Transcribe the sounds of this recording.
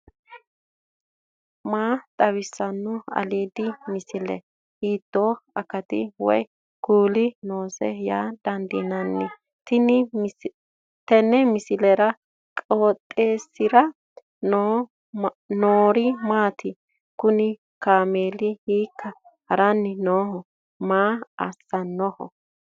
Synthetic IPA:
maːt̪ʼɐwɪsːɐnːʊɐ̰leːd̪ɪmɪsɪlɛ̰ | hiːt̪ːoːɐkɐt̪ɪ̰wɔ̰j | ɡ̥uːlɪno̞ːsɛjaːd̪̥ɐnd̪ɪnɐnːɛ | t̪ɪn | t̪ɛnːɛmɪsɪlɛɾɐ | kʼoːt̪ʼːeːsːɪɾɐ | noːɾɪmaːt̪ʰɪ | kʊnɪ | kaːmeːlɪhiːkːɐ | hɐɾɐnːɪnoːhɔ | maːɐsːɐnːɔhɔ̰

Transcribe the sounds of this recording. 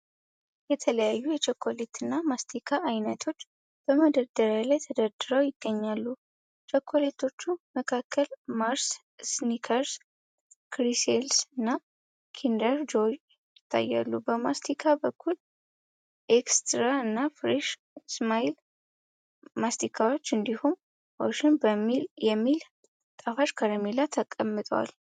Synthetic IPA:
jɛt̪ʰələjajːujɛt͡ʃəkʰːolet̪ʰɨnːamast̪ʰikʰaʔːjnət̪ʰo̞t͡ʃː | b̥əməd̪əɾd̪əɾjalajt̪ʰəd̪əɾd̪ɨɾəwjɪɡ̥ːəɲːalːu | t͡ʃʰokʰːo̞let̪ʰo̞t͡ʃːuməkʰakʰːəlmaɾs | snikʰəɾs | kɾiselsɨnːa | kʰind̪əɾd͡ʒo̞j | jɪt̪ʰːa̰jːa̰lːubəmast̪ʰikʰabəkʰːul | ʔekst̪ɾaɨnːafɾiʃ | smail | mast̪ikʰawo̞t͡ʃːɨnd̪ihum | wo̰ʃɪnbəmːiljɛmːil | t̪ʼafaʃkʰaɾəmilat̪ʰːəkʼːəmːɨt̪ʼəwa̰l

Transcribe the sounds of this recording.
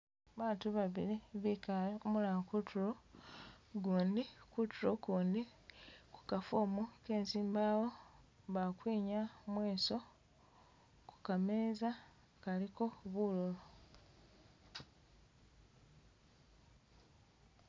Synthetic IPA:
βaːtuβaβḭɾiβikaomulakutʰuɾo̞ | ɡuːndikutuɾo̞kuːndiku̥kafoːmuke̞ːnsiːmbaːwo̞ | βakwiːɲamweːso̞ | ku̥kameːza | kaliko̞βuːlolo

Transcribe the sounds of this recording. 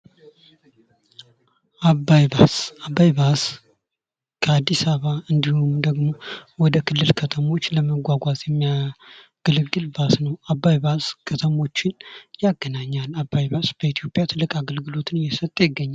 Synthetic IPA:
ʔabːajbasabːajbas | kʰəad̪ːisaβaɨnd̪ihumd̪əɡmo̞wɔd̪əkʰɨlːɨlkʰət̪ʰəmo̞t͡ʃːləməɡʷaɡʷazʼjɛmːijaɡ̥əlɨɡɨlbasnəwabːajbaskʰət̪ʰəmo̞t͡ʃːɪnjaɡːənaɲːalabːajbasb̥əit̪ʰijo̞pʼjat̪ʰɨlːɨkʼaɡəlɡɨlo̞t̪ʰɨnjɛsət̪ʼːjɪɡːəɲːal

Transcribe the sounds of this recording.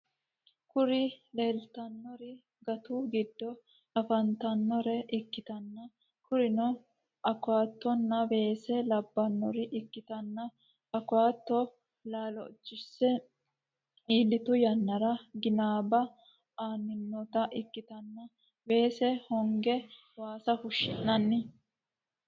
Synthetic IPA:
kʊɾɪleːlt̪ɐnːɔɾɪ | ɡɐt̪uɡɪd̪ːɔ | ɐfɐnt̪ɐnːɔɾɛʔɪkːɪt̪ɐnːɐ | kʊɾɪnɔ | ʔɐkʊwaːt̪ːɔnːɐbe̞ːsɛlɐbːɐnːɔ̰ɾɪʔɪkːɪt̪ɐnːɐ | ɐkʊwaːt̪ːɔ | laːlɔ̰t͡ʃːɪsːɛ | iːlːɪt̪ʊjɐnːɐɾɐɡɪnaːbɐ | aːnːɪnːɔt̪ɐʔɪkːɪt̪ɐnːɐ | be̞ːsɛhɔŋɡɛ | waːsɐhʊʃːɪnːɐnːɪ

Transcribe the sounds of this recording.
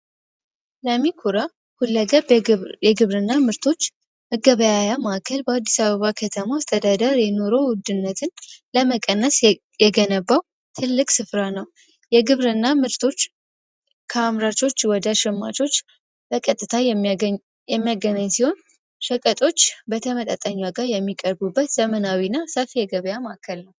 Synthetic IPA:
ləmːikʰuɾa | hulːəɡəbjɛɡɨβɾɨnːamɨɾt̪ʰo̞t͡ʃː | məɡəβəjajamaʔakʰəlbəad̪ːisaβəβakʰət̪ʰəmaːst̪ʼʰəd̪ad̪əɾjɛno̞ɾo̞wʊd̪ɨnːət̪ʰɨnləməkʼənːəs | jɛɡənəbːaw | t̪ʰɨlːɨkʼsɨfɾanəw | jɛɡɨβɾɨnːamɨɾt̪ʰo̞t͡ʃː | kʰəamɾat͡ʃo̞t͡ʃːwɔd̪əʃɪmːa̰t͡ʃo̞t͡ʃː | b̥əkʼət̪ʼːɨt̪ʰa | jɛmːijaɡənaɲːsiho̞n | ʃəkʼət̪ʼo̞t͡ʃːbət̪ʰəmət̪ʼə̰t̪ʼːəɲːaɡaɾjɛmːikʼəɾbubːət̪z̥əmənawinːasəfijɛɡəβəjamaʔkʰəlnəw

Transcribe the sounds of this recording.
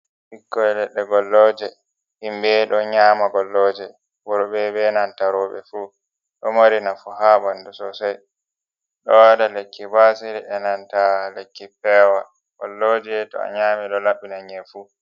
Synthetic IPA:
bikːɔɛlɛɗːɛɡɔlːɔːd͡ʒɛ | himbɛɗɔɲaːmaɡɔlːɔːd͡ʒɛ | wɔɗɔbɛbɛnantaɾɔːɓɛ̰fuː | ɗɔmaɾinafuhabandusɔsaj | ɗɔwadalekːibasiɾɛɗɛnantalekːipɛːwa | ɡ̥ɔlːɔːd͡ʒɛtɔ̰a̰ɲaːmɛɗɔlaɓːinaɲɛfuː

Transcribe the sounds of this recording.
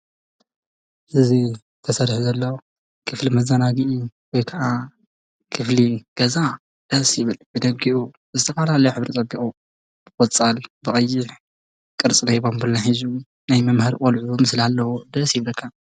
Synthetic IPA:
ʔɨzi | t̪ʰɐsɐɾħuzɐlːɐw | kʰɨflimɐzanaɡiʔiwɔjkʰɐʔa | kʰɨfliɡ̥ɐza | d̪̥ɐsjɪβɨlbɨd̪ɐɡiʔu | zɨt̪ʰɐfɐlalɐjoħɨβɾit̪ʼɐbːikʼu | b̥ɨkʼot͡sʼalbɨχʼɐjːɪħ | kʼɨɾt͡sʼɨnɐjbombɨlnaħizu | najmɐmhɐɾikʼolʕumɨslalːɐwud̪ɐsjɪβlɨkʰːɐ

